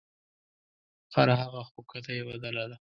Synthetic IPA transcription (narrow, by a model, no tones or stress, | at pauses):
xaɾaɦaɣaxokat̪ajebad̪alad̪a